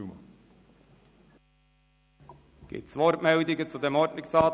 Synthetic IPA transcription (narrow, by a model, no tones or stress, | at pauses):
m | ɡ̥ɪ̰tsʋɔɾtmɛldɪɡət͡sud̪ɛmɔɾtlɪksɑː